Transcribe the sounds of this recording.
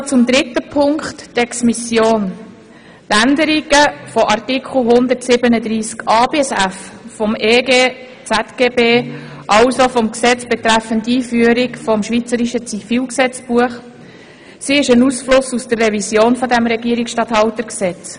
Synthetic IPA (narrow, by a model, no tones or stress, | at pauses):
t͡sʊmd̪ɾɪtːəpʰʊŋkχttɛksmisjoːn | tænd̪əɾiɡ̥əfɔʔɑrtikʰχl̩ɦʊnd̪ətsɪbənəd̪ɾiːskɑːbeːɛsæffɔmeːɡeː | t͡sætɡ̥eːbeː | ʔɑʊsofɔmksɛt͡sb̥ɛt̪ɾæfəntiːfyəɾikfɔmʃʋit͡səɾiʃət͡sifiːlksɛt͡sb̥uəχ | siɪʃənusflʊsusd̥̪ərːɛvisjoːnfɔd̪æmɾɛɡiːəɾiksʃtɑt̪hɑlt̪əɾksɛt͡s